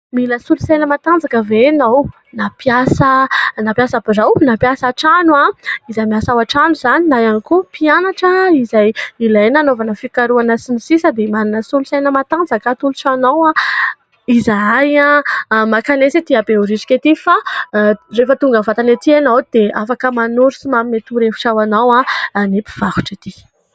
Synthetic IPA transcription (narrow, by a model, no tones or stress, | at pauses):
miləsulusajnəmat̪and͡zakəvenaw | napjasənapjasabirawnapjasaʈ͡ʂanwaizajmiasawaʈ͡ʂanuzaninajanikupianaʈ͡ʂaizajilajnanovanəfikaɾuanasinisisəd̪emaninəsulusajnəmat̪and͡zakat̪ulusanawa | izaajamakanesit̪iabeoɾiʈ͡ʂi̥kʲet̪ifa | refət̪uŋɡəvat̪anet̪ianawd̪̥eʔafakəmanuɾusimaminet̪uɾefu̥ʈ͡ʂawanawanipi̥v̥aɦu̥ʈ͡ʂat̪i